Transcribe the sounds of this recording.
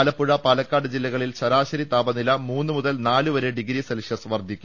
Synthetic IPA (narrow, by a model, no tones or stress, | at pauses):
lɐpːuɻɐpɐlɐkːaːɖɨd͡ʑilːɐɣɐɭilɕɐɾaːɕɐɾit̪aːbɐnilɐmuːnːɨmuðɐlnaːluʋɐɾeɖiɡɾisɐlʂjɐsʋɐrd̪ʱikʲːu